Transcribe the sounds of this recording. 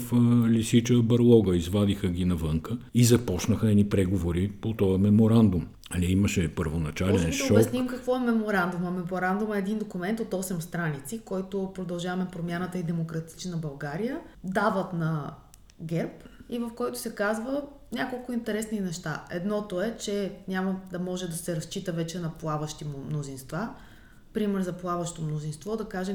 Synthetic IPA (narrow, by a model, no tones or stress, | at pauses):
fəlisit͡ʃəbɐɾlˠɔɡəizvad̪ixəɡʲinɐvɤŋkəizɐpɔt͡ʃnəxəɛnipɾɛɡovoɾipot̪ɔjəmɛmoɾand̪ʊm | ɐniimɐʃɛpəɾvonɐt͡ʃalɛnʃoɔbksnimkɐkvɔɛmɛmoɾand̪umɐmɛmoɾand̪umɛːd̪ind̪okʊmɛnt̪ot̪ɔsɛmst̪ɾanit̪sikɔjt̪opɾod̪ɐlˠʒavɐmɛpɾomʲjanət̪əid̪ɛmokɾɐt̪i̥t͡ʃnɐbɐlˠɡaɾijəd̪avət̪nɐ | ɡɛɾpivɐfkɔjt̪ʊ̥sɛkazvə | nʲakolˠkʊint̪ɛɾɛsninɛʃt̪aɛ̰d̪nɔt̪oɛt͡ʃɛnʲaməd̪ɐmɔʒɛd̪ɐsɛɾɐst͡ʃit̪əvɛt͡ʃɛnɐplˠavəʃt̪immnozinst̪va | pɾimɛɾzɐplˠavəʃt̪omnozinst̪vɔd̪ɐkaʒɛm